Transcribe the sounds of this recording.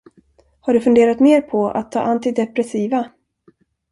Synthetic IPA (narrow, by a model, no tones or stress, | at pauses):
haɖɵfɵnd̪eːɾat̪meːɾpʰɔa̰t̪ʰːɑ̰ːʔant̪ɪd̪ɛpɾɛsiːva